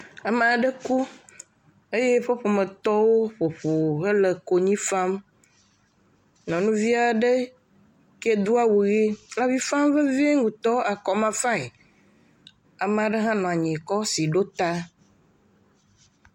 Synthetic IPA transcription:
a˨me˨a˨ɖə˦ku˦ | e˦je˦ɸo˦ɸo˨me˨t̪ɔ˦wo˦ɸo˨ɸo˨ɣe˦lə˨ko˨ɲĩ˦fa˦m | nɔ̃˨nũ˦vi˦a˨ɖe˦ | ke˦d̪u˦a˦wu˨ɣe˦la˦vi˦fã˦mve˦vi˦e˦ŋũ˨t̪ɔ˦a˨kɔ˨mã˦fã˦e˨ | a˨mẽ˨a˨ɖe˦ɦã˦nɔ̃˨a˨ɲɛ̃˨kɔ˦si˨ɖo˦t̪a˦

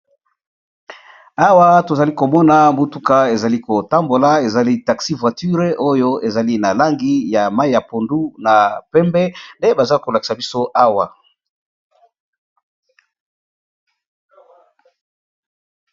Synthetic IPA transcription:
a˦wa˦to˨za˨li˦ko˨mɔ˦na˨mo˦tu˦ka˦e˨za˨li˦ko˨ta˦mbo˨la˦e˨za˨li˦ta˨ksi˦vwa˨ty˦ʁʔo˦jo˦e˨za˨li˦na˨la˦ŋɡi˦ja˨ma˦i˦ja˨po˨ndu˦na˨pɛ˦mbɛ˦nde˦ba˨za˦ko˨la˨ki̥˨sa˨bi˦so˦ʔa˦wa˨

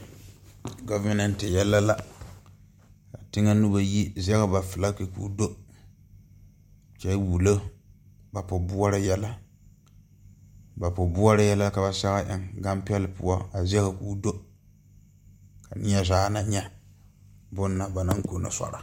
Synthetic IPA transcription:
ɡo˦va˦nɛ˨n˨tɪ˨jɛ˦lːa˦la˦ | ka˨tɪ˦ŋa˦nu˦ba˦ji˦zɛ˦ɣa˨ba˨fɨ˨la˦ke˨kṵ˦do˦ | t͡ʃa˨˦bu˨lo˦ | ba˨pʊ˨bʊ˦a˦ɾa˦jɛ˦la˦ | ba˨pʊ˨bʊ˦a˦ɾa˦jɛ˦la˦ka˨ba˨sa˦ɣa˦ʔɪ˨ŋɡa˦m˦pɛ˦lɨ˨pṵ˦a˦a˨zɛ˦ka˨kuː˦do˦ | ka˨nɪ˦a˦zaː˦na˦ɲɛ˦ | bʊ˦nːa˨ba˨nɨ˦ŋ˦ko˨na̰˨sa̰˨ɾa˨

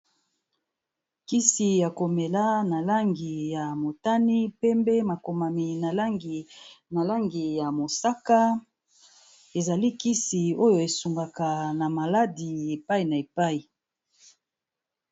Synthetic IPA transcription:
ki˦si˨ja˨ko˨me˨la˦na˨la˦ŋɡi˨ja˨mo˨ta˦ni˦pɛ˦mbe˦ma˨ko˨ma˨mi˨na˨la˦ŋɡi˨na˨la˦ŋɡi˨ja˨mo˨sa˦ka˦ | e˨za˨li˦ki˦si˨o˦jo˨e˨su˨ŋɡa˨ka˨na˨ma˨la˦di˨e˨pa˦i˨na˨e˨pa˦i˨

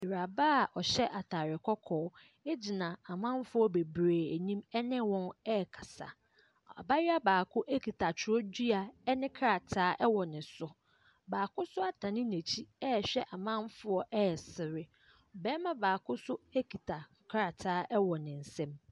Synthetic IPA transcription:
i˨ɾa˨baː˦˨ʔɔ˨ɕɛ˦ʔa˨tʰa˨ɾɪ˨kʰɔ˦kʰɔː˨˦ | e˦d͡ʑi˨nã˨a˨mã˦m˦fʊ˦ɔ˦be˨bɾeː˨æ˨ɲĩ˦mɛ˦nɪ̃˦wɔ̃˦nɛ˦˨kʰḁ˨sa̰˨ | a̰˨ba˦ɾɪ˦a˦baː˨kʰʊ˦ʔæ˦kʰi˨tʰa˨t͡ɕʰʊ˨ɾɔ˦d͡ʑi˦a˨ɛ˦nɪ̃˦kʰa˦ɾa˨tʰaː˦ʔɛ˦wɔ˨nɪ̃˨sʊ˨ | baː˨kʊ˦sʊ˦a˨tʰã˨nɪ̃˦ne˨t͡ɕʰi˦ɛ˦˨ɕᶣɛ˦ʔa˨mã˦m˦fʊ˦ɔ˦ʔɛ˦ɛ˨sɪ˨ɾɪ˦ | ɔ˨bɛ̃˦mã˦baː˨kʊ˦sʊ˦e˦kʰi˨tʰa˨ | kʰɾa˨tʰaː˨˦ʔɛ˦wɔ˨nɪ̃˨n̩˨sɛ̃˦m

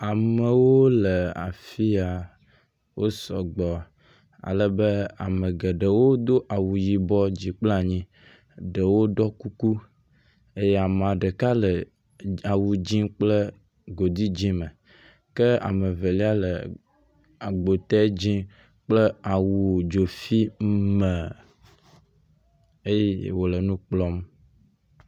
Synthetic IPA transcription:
a˨mə˨woo˦lə˨a̰˨fi˦a˨ | wo˦sɔ̰˨ɡ͡bɔ˨ | a̰˨lə˨bə˦a̰˨mə˨ɡə˨ɖə˨wo˦d̪o˦ʔa˨wu˨ji˨bɔ˦d͡ʑi˨k͡ple˦a˨ɲĩ˦ | ɖə˨wo˦ɖɔ˦ku˦ku˦ | e˦jɛ˦a˨m˨ã˨ɖə˨ka˦lə˨ | a˨wu˨d͡ʑĩ˦k͡plə˦ | ɡo˨d̪i˦d͡ʑĩ˦mə˨ | kə˦a̰˨mə˨və˨li˦a˦lə̰˨ | a˨ɡ͡bo˨t̪ɛ˦d͡ʑĩ˦ | k͡plə˦a˨wu˨wo˨d͡ʒo˨fi˦mə˨ | e˦je˦wo˨lə˨nũ˦k͡plɔ˦m

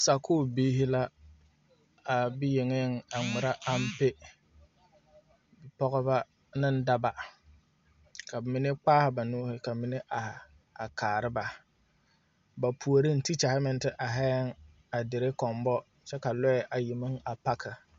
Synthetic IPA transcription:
sa˨kʰoː˦˨biː˦ɦɪ˦la˦ | a˨bɪ˦jɪ˨ŋɪ˦ŋa˨ŋʊ˨ɾa˦ʔa˦m˦pɪ˦ | bɪ˨pɔ˦ɣɔ˦ba˦ | nɪ˦n̩˦da˦ba˨ | ka˨bmɪ˨˦nɪ˦k͡paː˦hɪ˨ba˨noː˦hɪ˦ka˨mɪ˨ne˦ʔa˨h | a˨kaː˨ɾɪ˦ba˨ | ba˨pʰu˨o˨ɾi˦n̩˦ti˦t͡ʃa˨hɪ˦mɪ˦n˦tɪ˦ʔa˨ɦɛ˦ŋ | a˨dɪ˨ɾɪ˦kɔ˨mbɔ˦ | t͡ʃɛ˦ka˨lɔ˦ɛ˨ʔa˨ji˨mɪ˦ŋa˨pa˦kʰɪ˨

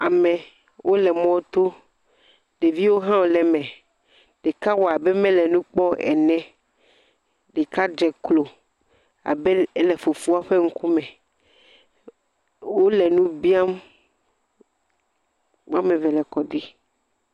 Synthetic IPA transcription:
a˨mɛ̃˨ | wʔo˦lɛ˨mɔ̃˦t̪o˦ | ɖ̥e˨vi˦wo˦ɦã˦wo˨lɛ˨mɛ̃˨ | ɖ̥e˨ka˦wɔ˨a˨bɛ˦mɛ̃˦lɛ˨nũ˦k͡pɔ˦ɛ̰˨nɛ̃˦ | ɖe˨ka˦d͡ʒɛ˨klo˨ | a̰˨bɛ˦lɛ˨fo˨fu˦a˦ɸe˦ŋ̩˦ku˦mɛ̃˨ | wo˦lɛ˨nũ˦bi˦a˦m | wa˦mɛ̃˨vɛ˨lɛ˨kɔ˨ɖi˦

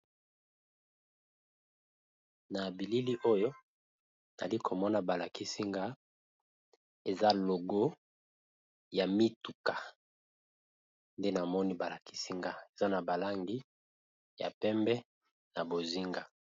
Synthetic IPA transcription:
na˨bi˨li˦li˦ʔo˦jo˦ | na̰˨li˦kʰo˨mɔ˦na˨ba˨la˨ki˦si˦ŋɡa˦ | e˨za˦lo˨ɡo˦ | ja˨mi˦tu˨kḁ˨ | nde˦na˨mɔ˦ni˦ba˨la˨ki̥˦si˦ŋɡa˦e˨za˦na˨ba˨la˦ŋɡi˦ | ja̰˨pɛ˦mbɛ˦ | na˨bo˨zi˦ŋɡa˨

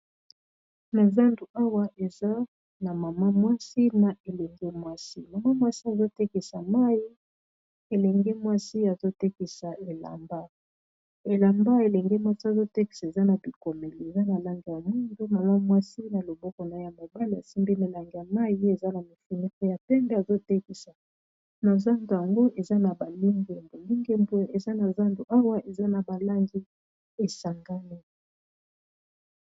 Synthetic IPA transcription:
na˨za˦ndu˨a˦wa˦ʔe˨za˦ | na˨ma˨ma˦mwa˦si˦na˨ʔe˨lɛ˨ŋɡɛ˦mwa˦si˦ma˨ma˦mwa˦si˦a˨zo˦te˦ki˨sa˨ma˦ji˦ | e˨lɛ˨ŋɡe˦mwa˦si˦a˨zo˦te˦ki˨sa˨e˨la̰˨mba˦ | e˨la˨mba˦e˨lɛ˨ŋɡɛ˦mwa˦si˦a˨zo˦tɛ˦ki̥˦˨se˨za˦na˨bi˨ko˨me˨li˨e˨za˦na˨la˦ŋɡi˨ja˨mu˦ndo˦ma˨la˦mwa˦si˦na˨lo˨bɔ˦kɔ˨na˨˦ja˨ma˨ba˦li˨a̰˨si˦mbi˦me˨la˨ŋɡi˨a˨ma˦˨ji˦e˨za˦na˨mi˨fi˨ni˦kɔ˦ja˨pɛ˦mbe˦a˨zo˦tɛ˦ki˨sa˨ | na˨za˦ndo˨ja˨ŋɡo˦ʔe˨za˦na˨ba˨li˦ŋɡe˨mbo˨li˦ŋɡe˦mbo˦e˨za˦na˨za˦ndo˨ʔa˦wa˦ʔe˨za˦na˨ba˨la˦ŋɡi˦ | e˨sa˨ŋɡa˦ni˦

